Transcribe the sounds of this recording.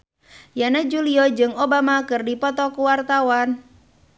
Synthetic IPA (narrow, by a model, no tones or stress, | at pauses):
janad͡ʒuliɔd͡ʒɨŋobamakɨrdipɔt̪ɔkuwart̪awan